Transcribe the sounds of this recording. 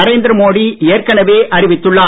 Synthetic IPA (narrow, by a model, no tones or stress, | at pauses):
ɐɾeːnd̪ɪɾɐmoːɽieːrkɐnɐʋeːʔɐɾɪʋɪt̪ːɯɭːaː